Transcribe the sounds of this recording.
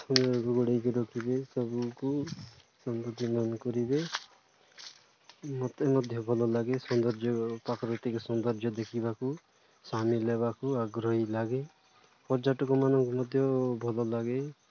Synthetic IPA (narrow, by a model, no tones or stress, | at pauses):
unɾɡuɡɔɽejkɔɾɔkʰibesɔbuku | sɔnd̪ɔd͡ʒʱɔmanɔkɔɾibe | mɔt̪emɔd̪ʱjɔbʱɔlɔlaɡesɔnd̪ɔɾd͡ʒʱjɔpakɔɾɔt̪ikɔsɔnd̪ɔɾd͡ʒʱjɔd̪ekʰibaku | samileβakuaɡɾɔɦilaɡe | pɔɾd͡ʒaʈɔkɔmanɔŋkumɔd̪ʱjɔbʱɔlɔlaɡe